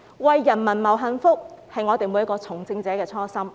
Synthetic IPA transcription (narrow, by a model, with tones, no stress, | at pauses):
wɐ˨jːɐ˨˩nmɐ˨˩nmɐ˨˩wɦɐ˧nfʊ˥k̚hɐ˨jŋɔː˨˧t̪e˨jmu˨˧jɐ˥kɔː˧t͡sʰʊ˨˩ŋt͡sɪ˧ŋt͡sɛː˨˥kɛː˧t͡sʰɔː˥sɐ˥m